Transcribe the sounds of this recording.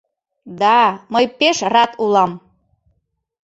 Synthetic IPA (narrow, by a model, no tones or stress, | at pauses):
d̪ɑməjpeʃrɑt̪ulɑm